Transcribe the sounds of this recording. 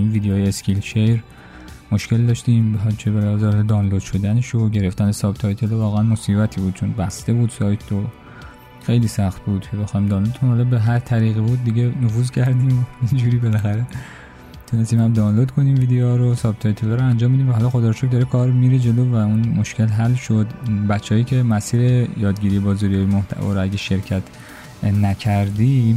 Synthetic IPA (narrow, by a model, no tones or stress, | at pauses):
inviːd̪ejoːjeescʲilʃejɾ | mo̞ʃce̞ld̪ɒːʃt̪iːmbht͡ʃʰebeɾæzɒɾd̪ɒːnlod̪ʃod̪æneʃoɟe̞ɾeft̪ʰænesɒːbt̪ʰɒjt̪ʰelovɒːɣeænmo̞siːbæt̪ʰiːbuːd̪̥̚t͡ʃʰonbæst̪e̞buːd̪̥sɒːjt̪ʰo | xe̞jliːsæxt̪̚buːd̪̥cʰebexɒːimd̪ɒːnlod̪t̪ʰunhɒlɒːbeɦæɾt̪ʰæɾiːɣibuːd̪̚ːiɟenofuːzcʰæɾd̪iːmind͡ʒuːɾiːbelæxæɾe | t̪ʰunest̪iːmhæmd̪ɒːnlod̪kʰo̞niːmviːd̪eɒɾosɒbt̪ʰejt̪ʰelɑɾoænd͡ʒɒːmːid̪iːmvæɦɒlɒxod̪ɒːɾʃok̚d̪ɒːɾekʰɒːɾmiːɾed͡ʒe̞loːvæunmo̞ʃkʰelɦælʃod̪bæt͡ʃʰːeɒjiːcʰe̞mæsiːɾejɒːd̪ɟiːɾijebɒːzɒɾijːjimoht̪ʰæ̰vɒ̰ːɾoæɟeʃe̞ɾcʰæt̪ʰ | næcʰæɾd̪iː